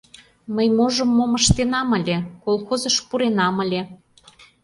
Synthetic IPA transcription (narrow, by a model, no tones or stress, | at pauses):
məjmoʒə̆mːomə̆ʃt̪enɑmə̆lʲekolˠxozəʃpuɾenɑmə̆lʲe